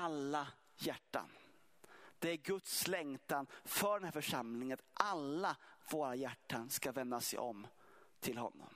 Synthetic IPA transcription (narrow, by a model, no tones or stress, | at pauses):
alːa | jæʈːa̰n | d̪̥ɛæɾɡɵt̪slɛŋt̪anfœɖɛnhæːɾfœʂamlɪŋənʔalːavoːɾajæʈːanskavɛnd̪asɛ̰jɔ̰m | t̪ʰɪlɦɔ̰nːɔ̰m